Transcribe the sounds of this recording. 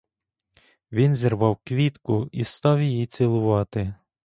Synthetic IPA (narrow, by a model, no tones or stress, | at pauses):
ʋʲinzʲirʋɑwkʋʲit̪kʊist̪ɑwjijit͡sʲɪlˠʊʋɑt̪ɪ